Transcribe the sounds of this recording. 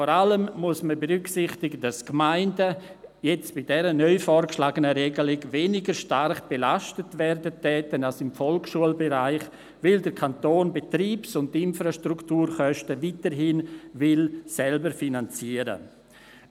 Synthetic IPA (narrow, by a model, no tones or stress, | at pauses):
fɔɾaləmmuəsməbeɾʏksɪχtɪɡəd̥askmaɪndəjɛt͡sb̥ɪdɛɾənœʏfɔːɾkʃlaːɡənəɾɛɡəlɪɡveːnɪɡəɾʃtarχb̥elaʃtətvɛɾdətʰːɛːtənalsɪmfɔlkʃuəlbɛɾaɪχ | vɪldəɾkʰantoːnbetɾiːpsʊnttɪnfɾaʃtɾuktuːɾχœʃtəvitəɾɦɪnvɪlsɛlbəɾfinant͡siːəɾə̰